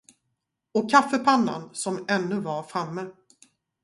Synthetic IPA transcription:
ɔkʰafːəpʰanːa̰nsɔmɛnːɵvaɾfɾamːə

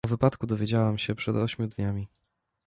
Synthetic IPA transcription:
ɔvɘpat̪kud̪ɔvʲjed͡ʑawamɕɛpʂɛd̪ɔɕmʲjud̪ɲamʲi

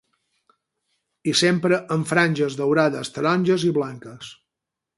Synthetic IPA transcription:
isempɾəʔəɱfɾanʲʒəzðəwɾaðəst̪əɾɔnʲʒəziβlaŋkəs

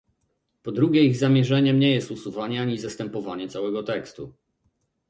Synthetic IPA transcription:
pɔd̪ɾuɡʲɛiɣzamʲɛʐɛɲɛmɲɛjɛst̪usuvaɲɛaɲizast̪ɛmpɔvaɲɛt̪sawɛɡɔt̪ɛkst̪u

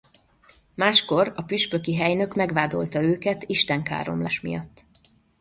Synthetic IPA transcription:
maːʃko̞rɒpyʃpø̞kiɦɛjnø̞kmɛɡʋaːd̪o̞̰lt̪ɒøːkɛt̪iʃt̪ɛŋka̰ːɾo̞̰mlaːʃmḭjɒt̪ː

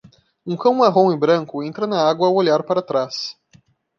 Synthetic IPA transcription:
ũkɐ̃w̃aɦõɪbɾɐ̃ŋkʊẽnt̪ɾɐnɐaɡwɐːwoʎaɾpaɾɐt̪ɾas

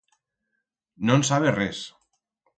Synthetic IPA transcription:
nonsaβerɛs

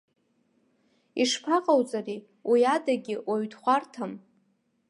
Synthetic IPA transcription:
iʂpʰaqʼawt͡sʼari | wʔiadaɡʲɪwaɥdχʷartʰam

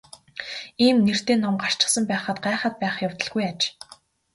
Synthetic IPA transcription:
iːmner̥t̪eːnɔmɢar̥t͡ɕɪ̥̆sə̆mpæːχə̆t̪̚ɢaːχə̆t̪̚pæːχjaw̥t̪ə̆ɮɣujat͡ɕ

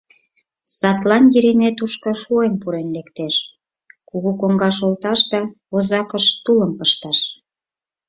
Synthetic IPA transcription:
sɑt̪lɑnjiɾimet̪uʃkoʃuenpuɾenlekt̪eʃ | kuɣukoŋɡɑʃolt̪ɑʃd̪ɑ | ozɑkəʃt̪uləmpəʃt̪ɑʃ

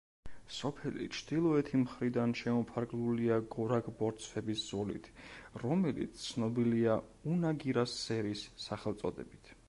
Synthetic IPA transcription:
sɔpʰɛlḭt͡ʃʰd̪̥ilˠɔɛt̪ʰimχɾid̪anʃɛmɔpʰaɾɡluliaɡɔɾaɡʼbɔɾt̪sʰfɛbiszɔlḭt̪ʰɾɔmɛlḭt̪st̪ʰnɔbilia | unaɡiɾasːɛɾisːaχɛlˠt̪sʼɔd̪ɛ̰bit̪ʰ

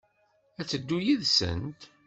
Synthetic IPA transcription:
æt͡sːəd̪ːujiðsə̰nt̪

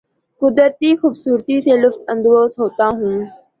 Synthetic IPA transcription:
kʊd̪əɾt̪iːxuːbsuːɾt̪iːseːlʊft̪ə̃nd̪ɾoːzɦoːt̪aːɦũː

